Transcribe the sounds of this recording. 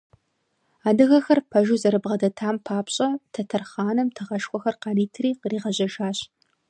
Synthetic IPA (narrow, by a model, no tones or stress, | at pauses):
aːdɨɣɐxɐrpʰɐʒuːzɐɾɨbʁɐdɐtʰaːmpʰaːpɕʼɐtʰɐtʰɐrχɑːnɨmtʰɨʁɐʃxʷɔxɐrqɑːniːtʰɨriːqriːʁɐʑɐʒaːɕ